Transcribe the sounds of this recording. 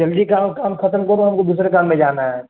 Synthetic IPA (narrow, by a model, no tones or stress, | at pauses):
d͡ʒəld̪ikaːmkaːmkʰɐt̪əmkob̪oɦɐmkod̪uːs̬ɾekaːmːẽd͡ʒaːnaɦɛː